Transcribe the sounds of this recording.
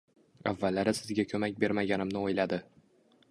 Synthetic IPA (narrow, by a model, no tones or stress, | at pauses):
a̰vːalːaɾɪsɪzɡʲakʲʰɵmak̚ʲbe̞ɾmaɡʲanɪmnɪojlad̪ɪ